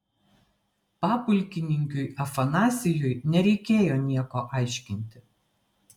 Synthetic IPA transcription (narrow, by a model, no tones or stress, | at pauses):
pɑːpʊlʲˑkʲɪnʲɪŋʲkʲʊɪʔɐfɐnɑːsʲɪjʊjnʲɛɾʲɛɪkʲeːjoːnʲiɛkoːʔɑˑɪʃʲkʲɪnʲt̪ʲɪ